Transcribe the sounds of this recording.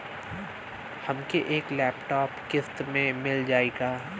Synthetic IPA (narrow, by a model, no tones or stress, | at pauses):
hɐmkeʔeːklɛːpʈɔːpkɪst̪mẽmɪld͡ʒaːeːɡaː